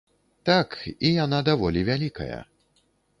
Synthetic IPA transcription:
t̪akijanad̪avɔlʲivʲalʲikɐ̰jɐ̰

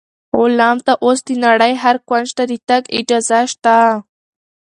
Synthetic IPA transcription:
olɑmt̪aʔos̬d̪inaɽəjɦaɾkwand͡ʒt̪ad̪it̪aɡɪ̰d͡ʒɑzaʃt̪a

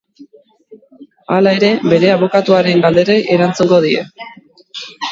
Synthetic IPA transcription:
alae̞ɾe̞be̞ɾe̞aβ̞o̞kat̪uaɾe̞ŋɡald̪e̞ɾeeɾant͡suŋɡo̞ð̞ie̞̰

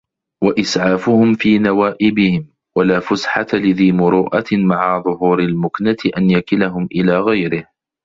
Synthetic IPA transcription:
waʔɪsʕaːfʊhʊmfiːnawaːʔɪbɪhɪm | walaːfʊsħat̪alɪðiːmʊɾuːʔamaʕaðˤʊɦuːɾalmʊknat̪ʔanjakɪlaɦʊmʔɪlaːɣajɾɪh

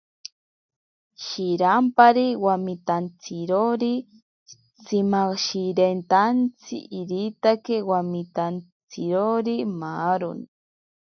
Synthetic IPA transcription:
ʃiɾampaɾiwamit̪ant͡siɾoɾi | t͡simaʃiɾent̪ant͡sʰḭʔiɾit̪akewamit̪ant͡siɾoɾimaːɾo̰ni

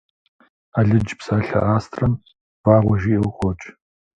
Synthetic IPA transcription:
aːɮɨd͡ʒpsaːɬɐ̰ʔaːstʰrɐm | b̥aːʁʷɔʒiːqʷʼɔt͡ʃʼ

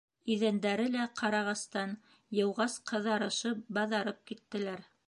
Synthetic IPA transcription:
iðænd̪æɾɘlæqʰɑɾɑʁɑst̪ɑn | jɤ̆wʁɑsqʰɤ̆ðɑɾɤ̆ʃɤp̚bɑðɑɾɤp̚kit̪ːɘ̆læɾ

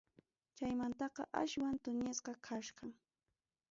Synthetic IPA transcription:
t͡ʃajmant̪ɑqɑ̰ʔa̰ʃwant̪ʊɲɪsqɑkʰaʃqɑŋ

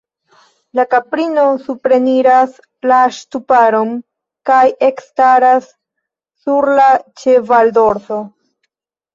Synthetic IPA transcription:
lakapɾino̞supɾe̞niɾas | laʃtupaɾo̞m | kaje̞kstaɾasː | uɾlat͡ʃe̞valdo̞ɾθo̞

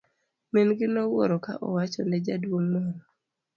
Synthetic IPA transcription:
menɡɪnɔwo̰ɾɔka̰ʔɔ̰wat͡ʃɔnɛd͡ʒadwoŋmɔɾɔ

